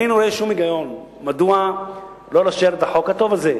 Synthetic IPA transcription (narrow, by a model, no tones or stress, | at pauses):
ijnuɾoeʃumiɡajo̞n | mad̪ua | lo̞laʃeɾet̪aħo̞khat̪o̞vaze